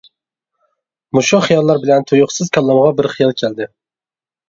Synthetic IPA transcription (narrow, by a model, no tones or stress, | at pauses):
mʊʃuχɨjɑlˠːɑɾbɪlɛnt̪ʰojʊχsɪzkʲʰɑlˠːɑmʁɑbɪɾχijɑlˠkʲʰæld̪ɪ